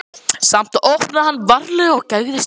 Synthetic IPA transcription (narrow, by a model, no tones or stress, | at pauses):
sam̥t̪owhpnaðhanːvaɾlʏɔɣcaɣðɪs